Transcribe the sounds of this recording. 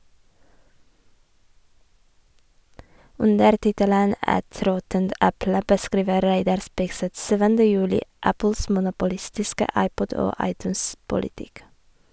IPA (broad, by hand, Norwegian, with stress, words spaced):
ˈʉndəɾ ˈtɪtələn ˈɛt ˈɾɔtənt ˈɛplə bəˈskɾiːʋə ˈɾæɪdɑɾ ˈspɪɡsɛt ˈsyːʋəndə ˈjʉːlɪ ˈæpl̩s mʊnʊpʊˈlɪstɪskə ˈɑɪˌpɔd ˈoː ˈɑɪˌtʉːns pʊlɪˈtɪk